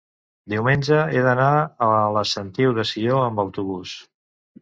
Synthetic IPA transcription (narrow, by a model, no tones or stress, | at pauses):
d̪iwmenʲd͡ʒəeðənaələsənt̪iwðəsioəmbəwt̪uβus